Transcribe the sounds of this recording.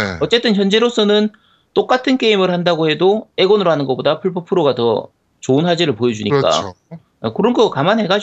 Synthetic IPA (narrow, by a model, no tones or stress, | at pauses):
ʌt͡ɕ͈e̞t͈ɯnçjʌnd͡ʑe̞ɾos͈ʌnɯn | t͈ok͈atʰɯnk͈e̞imɯɭhandaɡohe̞doe̞ɡʌnɯɾoɦanɯnɡʌp͈odapʰɯɭpʰɯpʰɯɾoɡatʌ̰ | t͡ɕoɯnɦad͡ʑeɾɯɭpojʌd͡ʑuɲik͈a̰ | kɯɾʌnɡʌkamanɦe̞ɡad͡ʑ